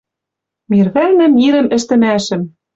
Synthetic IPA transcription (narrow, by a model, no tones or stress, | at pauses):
mirβænɘ̆miɾɘ̆mɘ̆ʃt̪ɘ̆mæʃɘ̆m